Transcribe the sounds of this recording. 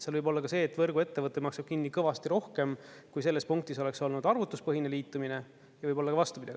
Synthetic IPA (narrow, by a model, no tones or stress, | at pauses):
seɑlvɤjbo̞lːɑkɑse̞ːt̪ːvɤrɡue̞t̪ːe̞vɤt̪ːˑemɑksɑb̥̚kinːikɤvɑst̪iɾo̞hke̞mkujse̞lːe̞spuŋk̚t̪iso̞le̞kso̞lnud̪̥ɑrvut̪ːˑuspɤɦineliːt̪ːˑumine̞ | jɑvɤjbo̞lːɑkɑvɑst̪upid̪ɑ̰ɡ̥